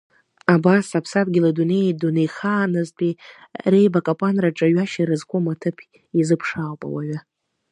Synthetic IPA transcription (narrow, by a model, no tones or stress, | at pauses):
abasapʰsat̚ʼɡʲɪladunejdunejχaːnɨztʼi | re̞jbakʼapʷʼanraʈ͡ʂʼaɥaʃaɾɨzkʷʰʼomatʰɨpʰ | izɨpʰʂawpʼa̰wa̰ɥa